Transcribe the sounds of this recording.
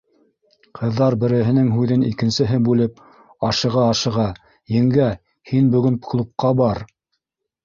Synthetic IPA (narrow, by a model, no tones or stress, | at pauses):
qʰɤ̆ðːɑɾbɘ̆ɾɘ̆ɦɘ̆nɘŋɦʉðɘnikɘ̆nsɘ̆ɦɘbʉlɘp̚ | ɑʃɤ̆ʁɑːʃɤ̆ʁɑ | jɘ̆ŋɡæ | hinbɵ̆ɡɘnklˠup̚qɑbɑɾ